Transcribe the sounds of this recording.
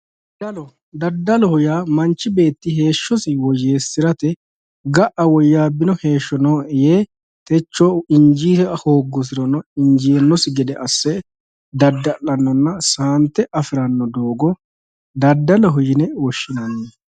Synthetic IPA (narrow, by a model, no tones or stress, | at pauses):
d̪ɐlɔ | d̪ɐd̪ːɐlɔhɔjaːmɐnt͡ʃːɪbe̞ːt̪ːɪhe̞ːʃːɔsɪwɔje̞ːsːɪɾɐt̪ɛ | ɡɐʔɐwɔjːaːbːɪnɔhe̞ːʃːɔnoːɛjeː | t̪ɛt͡ʃːoɪnd͡ʒiːɛɐhoːɡːɔs̬ɪɾɔnɔɪnd͡ʒiːnːɔsɪɡɛd̪ɛʔɐsːɛ | d̪ɐd̪ːɐʔɐnːɔnːɐsaːnt̪ːɛʔɐfɪɾɐnːɔd̪o̞ːɡɔ | d̪ɐd̪ːɐlɔɦʊjɪnɛwɔʃːɪnɐnːɛ